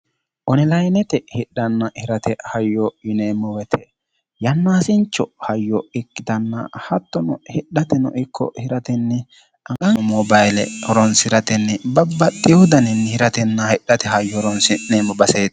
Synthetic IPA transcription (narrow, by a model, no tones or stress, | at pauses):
ʔɔnɛlɐjnɛt̪ɛhɪɗːɐnːɐhɪɾɐt̪ʰɛhɐjːɔɪnemɔwɛt̪ʰɛ | jɐnːaːsɪnt͡ʃːɔhɐjːɔɪkːɪt̪ɐnːɐ̰hɐt̪ːɔnɔhɪɗːɐt̪ɛnɔ̰ʔɪkʰːɔ̰hɪɾɐt̪ɛnːɛ | ɐkʼɐmɔbɐjlɛ̰ɔɾɔnsɪɾɐt̪ɛnːɛbɐbːɐt̪ʼːɪjɔd̪ɐnɛnːhɪɾɐt̪ɛnːɐhɪɗːɐt̪ɛɦɐjːɔɾɔnsɪneːmːɔbɐseːt̪